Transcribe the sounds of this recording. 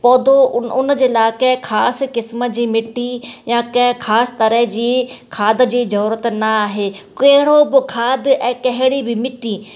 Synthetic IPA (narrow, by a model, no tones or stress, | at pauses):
pɔːd̪oʊnd͡ʑelaːkekʰaːskɪsməd͡ʑiːmɪʈːijãːkɛ̃kʰaːst̪ɐɾəɦd͡ʒiːkʰaːd̪d͡ʑiːzɐɾuːɾət̪nɐaːɦeːkeɦɪɽ̃õbɪkʰaːd̪ɛ̃ːkɐɦɪɽibɪmɪʈiː